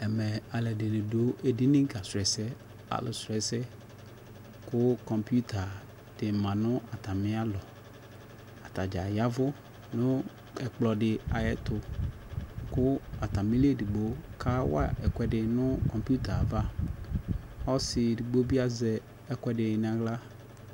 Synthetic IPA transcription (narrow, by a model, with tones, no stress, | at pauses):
ɛ˨mɛ˨a˨lɛ˨dɪ˨nɪ̃˨dʊ˦e˨di˦nɪ̃˦ŋ˦ka˨sɛ˨sɛ˦ | a̰˨lʊ˨sɛ˨sɛ˦ | kʊ˦kɔ˨mpu˦tʰa˨ | d̥ɪ˨mã˨nʊ̃˦a˨t̪a˨mɪ̃˦a˦lɔ˨ | a˨t̪a˨d͡ʒa˨ja˦vʊ˦ | nʊ̃˦ | ɛ˨k͡plɔ˨dɪ˨a˨jɛ˦tʊ˨ | kʊ˦a˨t̪a˨mĩ˦le˦di˨ɡ͡bo˦kʰa˦wa̰˦ʔɛ˨kʷɛ˨dɪ˨nʊ̃˦kɔ˨mpu˦t̪a˨va˦ | ɔ˦sɪ˨di˨ɡ͡bo˦bi˦a˦zɛ˨ | ɛ˦kwɛ˨dɪ˨n˦˨a˨ɣla˦